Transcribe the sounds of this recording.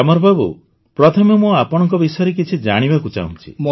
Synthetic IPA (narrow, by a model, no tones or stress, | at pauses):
amɔɾbʱabṵ | pɾɔt̪ʰɔmemuapɔɽ̃ɔ̃ŋkɔbisɔjɔɾek̬it͡ʃʰid͡ʒaɽ̃ibakut͡ʃa̰ṵ̃nt͡ʃʰḭ